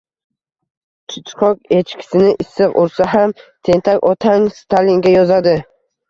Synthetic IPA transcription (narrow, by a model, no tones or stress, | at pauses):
t͡ʃʰʊt͡ʃqʰɒkʲe̞t͡ʃkʲʰɪ̥sɪnɪʔɪsːɨqʊɾsaɦamt̪ʰe̞nt̪ʰakʲɒt̪ʰaŋst̪ʰaliŋɡʲajɒzad̪ɪ